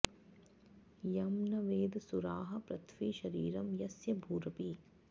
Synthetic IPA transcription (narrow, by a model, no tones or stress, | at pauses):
jɐmnɐʋeːd̪suɾaːɦɐpɾɐt̪ʰʋiːʃɐɾiːɾɐmjɐsjɐbʱuːɾɐpiː